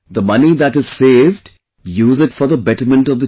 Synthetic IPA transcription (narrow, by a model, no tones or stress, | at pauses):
d̪əmʌnid̪æʈɨz̥seːvɖ | juːzɪʈfɔɾðəbɛʈəɾmə̃nʈɔvd̪ə